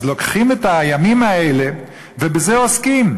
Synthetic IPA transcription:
zlokχimet̪ajamimaele | vebezeoskim

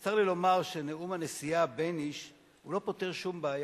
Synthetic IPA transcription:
t̪aʁlilo̞maʁʃe̞neumane̞sijabe̞niʃ | ulo̞po̞te̞ʁʃumbaːj

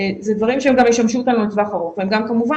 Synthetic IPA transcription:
zed̪vaʁimʃeemɡamjeʃtamʃuot̪anulet͡svaχaʁoχveemɡamkamuva

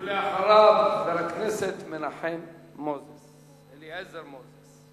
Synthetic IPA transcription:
leaħaɾavvelakneset̪menaħemːozes | eliezeɾmozes

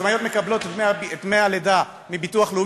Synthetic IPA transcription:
majo̞t̪me̞kablo̞t̪et̪eaet̪mealed̪a | mibit̪uaχlu

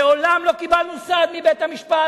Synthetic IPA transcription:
eolamlo̞kibalnusad̪mibet̪hamiʃpa

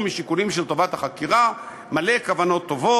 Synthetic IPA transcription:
miʃikulimʃelt̪o̞vat̪haχakiʁa | male̞kavano̞t̪ːo̞vo

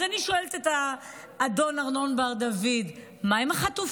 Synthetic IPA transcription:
aniʃoelt̪etaː | do̞naʁnonbaʁd̪avid | maimaχatuf

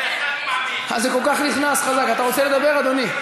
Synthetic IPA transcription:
a̰zekolkaχniχnasχazakat̪aʁot͡seled̪abeʁad̪o̞ni

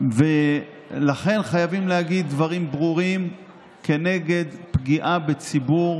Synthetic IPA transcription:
ve | laχe̞nχajavimlehaɡid̪ːvaʁimbʁuʁim | ke̞ne̞ɡe̞d̪pɡiʔabe̞t͡sibuʁ

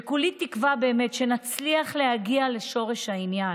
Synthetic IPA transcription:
kulitːikvabe̞ːmetʃe̞nat͡sliaχle̞haɡiale̞ʃo̞ʁe̞ʃhainja

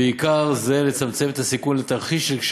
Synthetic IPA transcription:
eikaʁze̞le̞t͡samt͡se̞met̪asikunlet̪aʁχiʃʃelkʃ

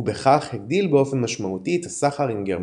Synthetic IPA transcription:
ube̞χaχheɡ̚d̪ilbeo̞fe̞nmaʃmaut̪iet̪asaχaʁimɡeʁ

